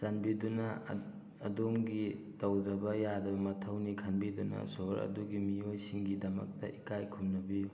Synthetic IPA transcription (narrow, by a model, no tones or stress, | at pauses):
sanbidunɐː | domɡitɐwdɾɐbɐjadɐbɐmɐtʰɐwnikʰanbidunɐ̰soɾɐ̰duɡimiojsiŋɡidɐmɐ̰k̚tɐ̰ʔikajkʰumnɐbiju